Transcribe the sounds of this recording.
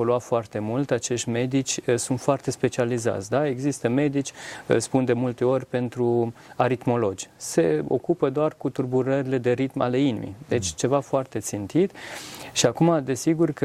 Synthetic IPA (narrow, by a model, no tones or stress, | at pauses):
oloafoart̪e̞mult̪at͡ʃe̞ʃt̪ʲme̞d̪it͡ʃʲsunt̪foart̪e̞spe̞t͡ʃializa̰t̪sʲd̪ae̞ɡzist̪əme̞d̪it͡ʃʲspund̪e̞mult̪e̞o̞rʲpe̞nt̪ɾu | aɾit̪mo̞lo̞d͡ʒʲse̞o̞̰kupəd̪oarkut̪urbuɾəɾile̞d̪e̞ɾit̪ma̰le̞inḭmḭd̪e̞t͡ʃʲt͡ʃe̞vafoart̪e̞t̪sint̪it̪ʃiakumad̪e̞siɡurk